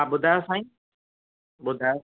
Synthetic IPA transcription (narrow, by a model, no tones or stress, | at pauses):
aɓʊd̪ʱajosãːĩ | ɓʊd̪ʱa